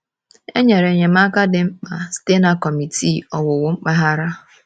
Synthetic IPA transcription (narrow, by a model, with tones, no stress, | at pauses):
ḛ˦ɲe˨ɾe˨ɲe˨m̩a˦ka˦dɪ˨ŋ͡m̩˦k͡pa˨ste˦na˦kɔ˨mi˨ti˦˨ɔ˨wʊ˨wʊ˦ŋ͡m̩˦k͡pa˦ɦa˦ɾa˦